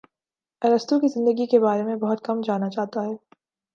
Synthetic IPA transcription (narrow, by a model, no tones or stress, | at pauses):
ɐɾəst̪õkizɪ̃nd̪əɡikebaːɾemẽbɐɦʊt̪̚kɐmd͡ʒaːnat͡ʃaːɦt̪aɦɛː